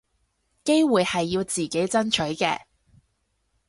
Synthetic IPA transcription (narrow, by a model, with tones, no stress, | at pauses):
ke˥jwuː˨˩jhɐ˨jːiː˧wt͡siː˨˩ke˨˥jt͡sɐ˥nt͡ʃʰɵ˨˥ɥkɛ̰ː˧